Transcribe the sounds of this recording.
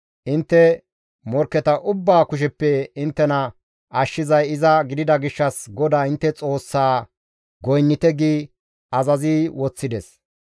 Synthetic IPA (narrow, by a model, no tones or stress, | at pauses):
ʔɪnt̪ːɛ | mɔɾkːɛt̪ɐʔʊbːaːkʊʃ̬ɛpːɛɪnt̪ːɛnɐ | ʔɐʃːɪzɐjɪzɐɡɪd̪ɪd̪ɐɡɪʃːɐsɡɔd̪aːɪnt̪ːɛt͡sʼo̞ːsːaː | ɡɔjnːɪt̪ɛɡiː | ɐzɐziːwɔt͡sːɪd̪ɛs